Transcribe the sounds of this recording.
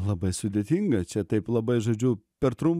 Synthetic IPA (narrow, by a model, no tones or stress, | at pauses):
lˠɐbɐɪsʊd̪ʲeːt̪ʲiŋɡɐt͡ʃʲɛt̪ɐɪplˠɐbɐɪʒoːd͡ʒʲʊpʲɛɾt̪ɾʊmp